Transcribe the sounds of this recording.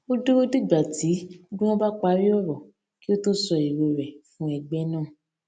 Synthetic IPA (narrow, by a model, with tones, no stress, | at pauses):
o˦du˦o˦di˦˨ɡ͡ba˨ti˨˦dũ˦ɔ̃˦ba˦k͡pa˧˦ɾi˦ɔ˦˨ɾɔ˨ | ki˦o˦to˦sɔ˧i˨ɾo˧ɾɛ˨fũ˨˦ɛ˧ɡ͡bɛ˦nãː˦˨